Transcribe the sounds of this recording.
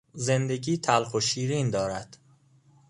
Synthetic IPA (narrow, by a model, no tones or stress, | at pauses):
ze̞nd̪eɟiːt̪ʰælxoʃiːɾiːnd̪ɒːɾæd̪̥